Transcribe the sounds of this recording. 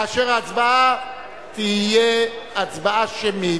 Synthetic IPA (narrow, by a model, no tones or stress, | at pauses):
aʃeʁaat͡sbaa | t̪iijeat͡sbaaʃemi